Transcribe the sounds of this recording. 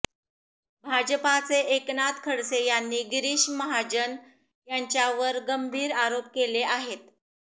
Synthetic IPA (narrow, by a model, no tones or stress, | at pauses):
bʱad͡ʑpat͡seʔeknat̪kʰəɽsejanːiːɡɾiɕməɦad͡ʑən | jaɲt͡ɕjaʋəɾɡəmbʱiːɾaɾop̚keleaɦet̪